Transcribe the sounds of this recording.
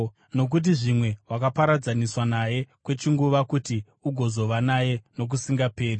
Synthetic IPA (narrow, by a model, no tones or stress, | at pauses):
no̞k̬ut̬iʐimwe̞wakapaɾad͡zaniswanaje̞kwe̞t͡ʃiŋɡuʋakuti | uɡʱo̞zo̞ʋanaje̞no̞k̬usiŋɡape̞ːri